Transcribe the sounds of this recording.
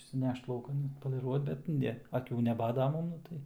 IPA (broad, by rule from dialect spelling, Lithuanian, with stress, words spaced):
ɪʃʲsʲɪˈnʲɛʃt lˠɐʊˈkɐn ɐtpoːlʲɪˈruɔt bʲɛt ˈnʲɛ ɐˈkʲuː nʲɛˈbɑːdoː ˈmɐn ˈnʊ tɐɪ